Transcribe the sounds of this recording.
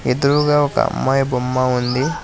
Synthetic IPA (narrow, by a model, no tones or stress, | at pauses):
ed̪uɾuːɡaːɔkɐ̰ɐ̰mːaːjbomːaund̪i